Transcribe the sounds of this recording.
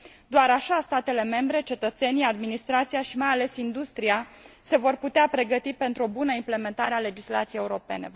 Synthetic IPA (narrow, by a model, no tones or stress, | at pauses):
d̪oaɾaʃast̪at̪e̞le̞me̞mbɾe̞t͡ʃe̞t̪ət̪se̞niad̪minist̪ɾat̪sijaʃimajale̞sind̪ust̪ɾiase̞vo̞rput̪eapɾe̞ɡət̪ipe̞nt̪ɾuo̞bunəimple̞me̞nt̪aɾeale̞d͡ʒisla̰t̪siejeuɾo̞pe̞̰ne̞̰